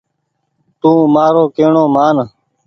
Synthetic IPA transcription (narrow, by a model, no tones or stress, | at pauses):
t̪ũːmaːɾoːkeːɳoːmaːn